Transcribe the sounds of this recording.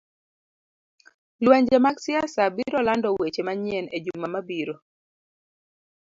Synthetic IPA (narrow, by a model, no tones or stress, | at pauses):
lwaɲd͡ʒemaɡsɪasabiɾɔlandɔwet͡ʃemaɲjɛned͡ʒummamabiɾo